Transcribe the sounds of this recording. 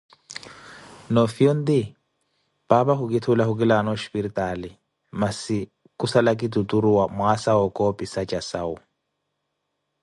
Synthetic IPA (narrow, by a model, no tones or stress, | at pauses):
nɔfion̩dɪ | b̥abahʊkʼɪtʰʊlahʊk̬ʼɪlanɔʃpiɾitʼalɪ | masɪ | kʼʊsalakʼɪtutʼuɾuwamʊasaɔkʼɔpʼisat͡ʃʼasaʊ